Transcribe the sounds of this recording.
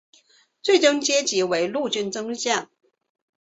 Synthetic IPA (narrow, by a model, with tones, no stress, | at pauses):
t͡swe˥˩ɪʈ͡ʂɤ˥ŋt͡ɕjɛ˥t͡ɕi˧˥we˧˥ɪlu˥˧t͡ɕy˥˩nt͡sɤ˥ŋ˧ɕja˥˩n